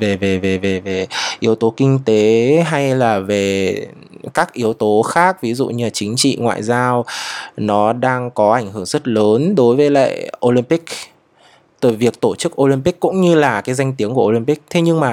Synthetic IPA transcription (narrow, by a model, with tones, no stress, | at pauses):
ve˨˩ve˨˩ve˨˩ve˨˩ve˨˩ʔi˨˦əwt̪o˨˦kï˧ŋ̟t̪e˨˦ɦa˧jlaː˨˩ve˨˩ | kaː˦˥k̚ʔi˨˦əwt̪o˨˦xaː˦˥k̚vi˨˦zṵ˧˨ɲɨ˧la˨˩t͡ɕï˨˦ŋ̟t͡ɕḭ˧˨ŋwa̰ː˧˨jzaː˧wnɔ˨˦ɗaː˧ŋkɔ˨˦ʔa˧˩jŋ̟ɦɨ˧˩əŋz̥ə˦˥t̚ləː˨˦nɗo˨˦jvəː˨˦jla̰ː˧˨jʔo˧li˧mpï˦˥k̚ | t̪ɨ˧˩jvi˨˩ək̚t̪o˧˩t͡ɕɨ˦˥k̚ʔo˧li˧mpi˦˥k̚kːʊ̰˧˥ŋ͡mɲɨ˧laː˨˩kaː˨˦jza˧jŋ̟t̪i˨˦əŋku˧˩əʔo˧li˧mpi˦˥k̚t̪ʰe˨˦ɲɨ˧ŋmaː˨˩